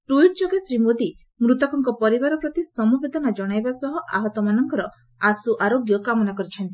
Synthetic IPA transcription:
ʈuiʈd͡ʒoɡesɾimod̪i | mɾut̪ɔkɔŋkɔpɔɾibaɾɔpɾɔt̪isɔmubed̪ɔnad͡ʒɔɽ̃ajbasɔɦɔʔa̰ɦɔt̪ɔmanɔŋkɔɾɔ | asuʔaɾoɡjɔkamɔnakɔɾit͡ʃʰɔnt̪i

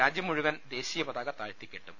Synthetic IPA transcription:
aːd͡ʑjɐmuɻuʋɐnd̪e̞ːɕijɐbɐðaːɣɐt̪aːɻt̪ikʲːeʈːum

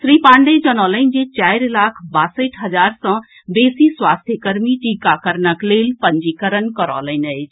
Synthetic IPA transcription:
sɾipãːɳɖed͡ʒənɔːləind͡ʒet͡ʃaːjɾlaːkʰbaːsəʈʰɦəd͡ʒaːɾsɔ̃ | beːsiswaːst̪ʰjəkəɾmiʈikakəɾnəklelpəɲd͡ʒikəɾənkəɾɔ̰ːləinəjt͡ʃʰ

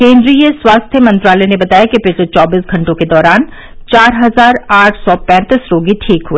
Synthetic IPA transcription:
kẽːnd̪ɾiːjəswaːst̪ʰjəmɐ̃nt̪ɾaːlɛnebɐt̪aːjakipɪʃlet͡ʃɔːbiːsɡʱɐ̃ɳʈõked̪ɔːɾaːn | t͡ʃaːɾɦɐzaːɾaːʈʰsɔpɛ̃ːt̪isɾoːɡiʈʰiːkɦueː

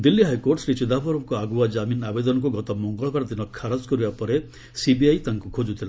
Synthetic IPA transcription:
d̪ilːiɦajkoɾʈsɾit͡ʃid̪apɔɾɔmkɔaɡuad͡ʒaminabed̪ɔnɔkuɡɔt̪ɔmɔŋɡɔɭɔbaɾɔd̪inɔkʰaɾɔd͡ʒkɔɾibapɔɾe | sibiajt̪aŋkukʰod͡ʒut̪ʰila

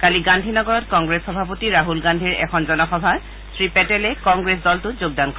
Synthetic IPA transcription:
kaliɡandʱinɔɡɔɹɔtkɔŋɡɹesxɔbʱapotiɹaɦulɡandʱiɹɛ̰kʰɔnzɔnɔxɔbʱa | sʰɹipɛtɛlɛkɔŋɡɹes̬dɔltʊzoɡ̚dankɔɛ

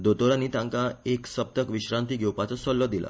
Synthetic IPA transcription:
d̪ot̪oɾanːiːt̪jãŋkaeksəb̚t̪əkʋiɕɾãnt̪iːɡʱewpat͡sɔsɔlːəd̪ilʔa̰

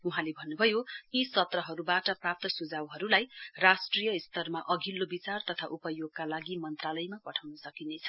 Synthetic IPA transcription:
uɦãlebʱʌnːubʱʌjoisʌt̪rʌɦʌɾubaʈʌprap̚t̪ʌsud͡zawɦʌɾulajrasʈrijʌist̪ʌrmaʔʌɡʱilːobit͡sart̪ʌt̪ʰaʔupʌjoɡkalaɡimʌnt̪ralʌjmapʌʈʰawnʌsʌkinet͡sʰʌ̥

